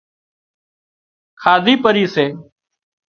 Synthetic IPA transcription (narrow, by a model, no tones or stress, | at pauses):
kʰaːd̪ʱiːpəɾiːseː